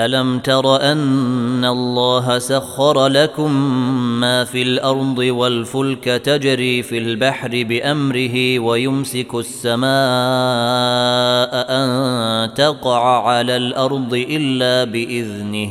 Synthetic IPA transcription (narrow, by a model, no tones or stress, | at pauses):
ʔalamt̪ɑɾˤɑʔanːalˤːɑːɦasaxːɑɾˤlakʊmːaːfiːlʔɑɾˤd̪ˤɨwalfʊlkat̪ad͡ʒɾiːfilbaħɾɪbɪʔamɾɪɦɪwajʊmsɪkʊʔasːamaː | ʔaʔant̪ɑqɑʕaʕalaːlʔɑɾˤd̪ˤɨʔɪlːaːbɪʔɪðnɪh